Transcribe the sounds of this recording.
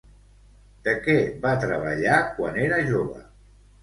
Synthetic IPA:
d̪̥əkɛβat̪ɾəβə̰ʎakwa̰neɾəʒoβə̰

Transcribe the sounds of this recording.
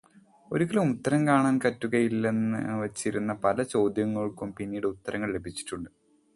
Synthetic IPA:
o̞ɾukːɐlumut̪ːɐɾɐmkaːɳaːnkɐtːuɣɐjilːenɨʋɐt͡ɕːiɾunːɐpɐlɐt͡ɕo̞ːd̪jɐŋːɐɭkumpinːijɽeut̪ːɐɾʔɐŋːɐɭle̞bʱit͡ɕːi̥ʈːuɳɖɨ

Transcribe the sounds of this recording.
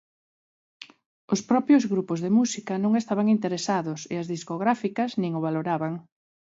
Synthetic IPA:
ʊspɾɔpɾjozɣɾupʊzðemusikɐnõŋest̪aβaŋint̪eɾesaðʊsḛɐzðiskoɣɾafikɐznĩŋʊβaloɾaβaŋ

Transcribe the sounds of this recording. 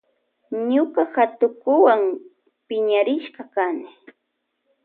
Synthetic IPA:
ɲʊɢahat̪ʊkʊwaŋ | pɪɲaɾɪʃɢɑkanɪ

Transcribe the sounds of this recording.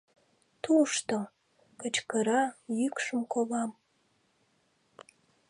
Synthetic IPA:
t̪uʃt̪o | kət͡ʃkəɾɑjykʂɨmkoβɑm

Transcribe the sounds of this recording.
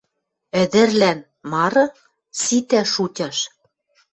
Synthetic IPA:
ɘ̆d̪ɘ̆rlæn | mɑɾɤ̆ | sit̪æʃutʲɑʃ

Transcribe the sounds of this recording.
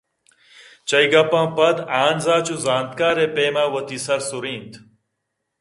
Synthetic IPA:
t͡ɕɐjɡɐpãːpɐd̪aːnzaːt͡ɕuzaːnt̪kaːɾepeːmaːwɐt̪isɐɾsuɾĩːnt̪

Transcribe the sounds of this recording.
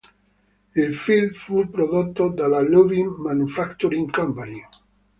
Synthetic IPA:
ilfilmfupɾod̪ot̪ːod̪alaluviŋmanufakt̪uɾiŋkɔmpani

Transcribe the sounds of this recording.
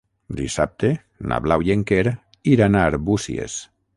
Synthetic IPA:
d̪isap̚t̪e | na̰βlawjeŋkeɾ | iɾanaɾbusḭḛs

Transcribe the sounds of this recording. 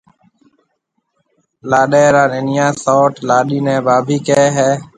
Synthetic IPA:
laːɗeːɾaːnenɪjãːsoːʈlaːɗiːnɛ̃ːbaːbʱiːkeeɦɛː

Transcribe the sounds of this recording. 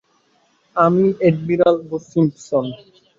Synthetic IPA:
amieɖmiɾalbosimpson

